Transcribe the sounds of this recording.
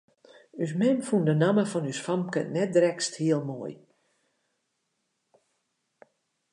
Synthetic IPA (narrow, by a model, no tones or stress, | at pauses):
ys̬mɛnfundənaməfɔnysfamkə̰nɛt̚drɛksthiəlˠmoəj